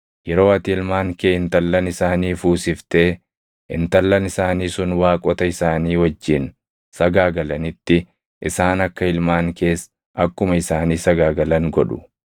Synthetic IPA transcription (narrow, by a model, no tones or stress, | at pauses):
jɛɾo̞ːɐt̪ɪɪlmaːŋkeːɪnt̪ɐlːɐnɪsaːniːfuːsɪft̪e̞ː | ɪ̰nt̪ɐlːɐnɪsaːniːsʊnwaːkʼɔt̪ɐɪsaːniːwɐd͡ʒːɪn | sɐɡaːɡɐlɐnɪt̪ːɪ | ʔɪsaːnɐkːɐɪlmaːŋke̞ːs | ʔɐkːʊmɐɪsaːniːsɐɡaːɡɐlɐŋɡɔᶑʊ̥̰